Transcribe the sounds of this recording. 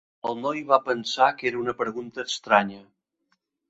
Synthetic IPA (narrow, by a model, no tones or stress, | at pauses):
əlˠnɔjβapənsakeɾəunəpɾəɣunt̪əːkst̪ɾaɲə